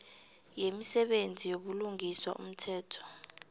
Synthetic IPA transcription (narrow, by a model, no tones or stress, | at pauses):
jemisɛɓend͡zʱijoɓuluŋʱiswa̰ʔṵm̩tʰɛːtʰɔ̥